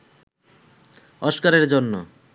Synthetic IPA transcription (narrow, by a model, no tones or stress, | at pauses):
ɔʃkaɾeɾd͡ʑonːo